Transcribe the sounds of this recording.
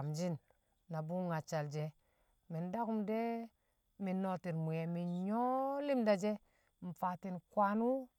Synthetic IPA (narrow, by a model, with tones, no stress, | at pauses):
md͡ʒi˦nː | a˨bu˦ŋa˨t͡ʃa˨ld͡ʒe˨ | mi˨nda˦ku˦mde˦ | mi˨nːo˨ti˨nmu˨je˨mi˨ɲo˦li˦mda˨d͡ʒe˦ | m̩˨fa˨ti˨nkwa˦nu˦